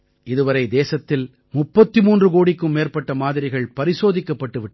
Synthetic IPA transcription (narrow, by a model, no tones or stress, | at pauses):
ɪðɯʋɐɾɐɪd̪eːsɐt̪ːɪl | mʊpːɐt̪ːɯmuːndrɯkoːɽɪkːɯmːeːrpɐʈːɐmaːðɪɾɪɣɐɭpɐɾɪsoːðɪkːɐpːɐʈːɯʋɪʈː